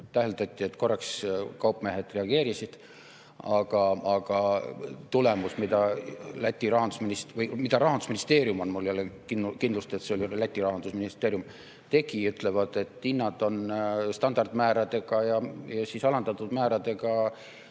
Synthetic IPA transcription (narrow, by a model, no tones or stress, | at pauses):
t̪æhelt̪ɑt̪ʲːˑie̞t̪ːko̞rːɑkskɑwpˑme̞ɦed̪̥re̞ɑɡ̥e̞ːɾisid̪̥ | ɑɡ̥ɑɑɡ̥ɑt̪ule̞musmid̪ɑlæt̪ʲːˑiɾɑɦɑnd̪̥usminisvɤjmid̪ɑɾɑɦɑnd̪usminist̪e̞ːɾjumo̞nmulːjɑlːekinkind̪lust̪et̪seolʲilæt̪ʲːˑiɾɑɦɑnd̪usminist̪eːɾjum | t̪e̞ɡiyt̪ˑlevɑd̪̥e̞t̪ːinːɑd̪o̞nst̪ɑnd̪ɑrd̪̥mæːɾɑd̪e̞ɡɑjɑjɑsisɑlɑnd̪̥ɑt̪ːˑud̪̥mæːɾɑd̪e̞ɡɑ